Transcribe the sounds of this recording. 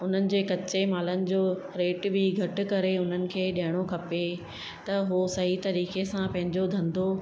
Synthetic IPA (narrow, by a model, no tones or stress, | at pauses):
ʊn̤ənɪ̆d͡ʑeːkɐt͡ɕemaːlənɪ̆d͡ʑoːɾeːʈbʱɪɡʱɐʈʊ̆kɐɾeʊn̤ənɪ̆kʰeːɗiɦɪɽ̃okʰɐpe | t̪ɐɦosɐɦit̪ɐɾiːxesãpɐ̃ɦɪ̃ɲd͡ʑod̪ʱɐ̃nd̪o